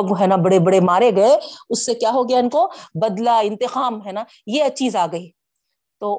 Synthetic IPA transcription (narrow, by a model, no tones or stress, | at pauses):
ɡɦɛːnabɐɽebɐɽemaːɾeɡɐeʊsːekjaːɦoːɡɐjaɪnkobɐd̪laɪ̃nt̪ɪqaːmɦɛːna | jeɐt͡ʃʰiːzaːɡɐiː | t̪oː